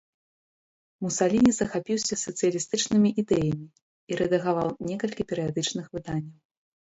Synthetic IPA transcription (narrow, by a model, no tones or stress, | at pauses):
musalʲinʲizɐxapʲiwsʲɐsɐt̪sɨjɐlʲist̪ɨt͡ʂnɨmʲiʔid̪ɛjɐmʲi | iɾɛd̪ɐɣavawnʲɛkɐlʲkʲipʲɛɾɨjad̪ɨt͡ʂnɨxvɨd̪anʲːɐw